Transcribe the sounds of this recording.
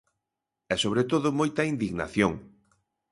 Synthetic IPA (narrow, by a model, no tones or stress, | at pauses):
ɛsoβ̞ɾet̪oðʊmojt̪ɐind̪iɣna̰θjoŋ